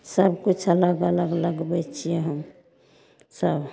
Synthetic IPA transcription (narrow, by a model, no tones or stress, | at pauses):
səbkut͡ʃʰələɡələɡləɡbɛt͡ʃʰijeɦəm | səbʱ